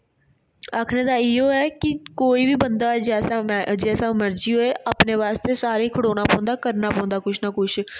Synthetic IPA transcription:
aːkʰneːd̪aːɪɦoːɛːkɪkoːiːbiːbənd̪aːɛd͡ʒɛːsd͡ʒɛːsaːməɾd͡ʒiːɦoːeːʔaːpneːʋaːst̪eːsaːɾeːkʰəɽoːnaːpɔ̃ːnd̪aːkəɾnaːpɔ̃ːnd̪aːkʊʃʰnaːkʊt͡ʃʰ

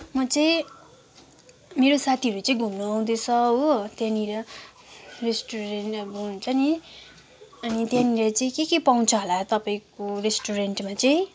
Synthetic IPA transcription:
mʌt͡sʌĩ | meɾosat̪ʰiʌɾut͡sʌĩɡʱumnuaw̃d̪et͡sʰʌɦot̪jãniɾʌ | resʈuɾenʈʌbʌunt͡sʰʌni | ʌnit̪jãniɾat͡sʌĩkekepaw̃t͡sʰʌɦolat̪ʌpaĩkoresʈuɾeɳʈmat͡sʌĩ

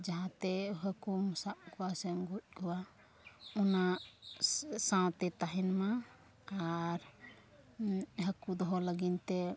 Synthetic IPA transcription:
d͡ʒaɦãt̪ɛɦəkumɔsaʔkɔwasɛŋɡut̪̚ˀkɔwa | ɔna | sãw̃t̪ɛt̪aɦɛnmaː | ɾ | ɦəkud̪ɔɦɔləɡint̪ɛ

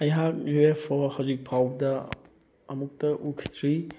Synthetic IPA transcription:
ɐjɦak̚epʰɔɾhawzik̚pʰawdɐː | muk̚tɐʔukʰi̥tʰɾi

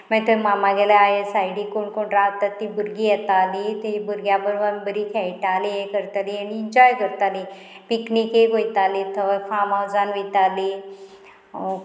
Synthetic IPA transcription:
məɡt̪əmamaɡɛlaajesajɽiːkoɳkoɳɾaɦt̪at̪ːibuɾɡijɛt̪alit̪ebuɾɡjabəɾʋəmbəɾiːkʰɛjʈaliekəɾt̪alianiːɲd͡ʑɔjkəɾt̪ali | piknikeɡojt̪alit̪ʰəʋfamawd͡zanit̪ali

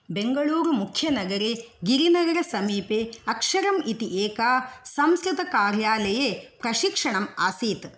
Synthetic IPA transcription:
beŋɡɐɭuːɾumukʰjɐnɐɡɐɾeɡiɾinɐɡɐɾɐsɐmiːpeːɐkʂɐɾɐmit̪iʔeːkaːsɐmskɾɨt̪ɐkaːɾjaːlɐjepɾɐʃikʂɐɳɐmaːsiːt̪

